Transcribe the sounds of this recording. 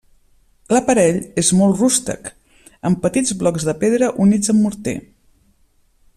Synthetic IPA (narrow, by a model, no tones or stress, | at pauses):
ləpəɾɛʎezmɔlˠtrust̪ə̰k | əmpət̪id͡zβlɔkzðəpeðɾəʔunid͡zəmːuɾt̪ḛ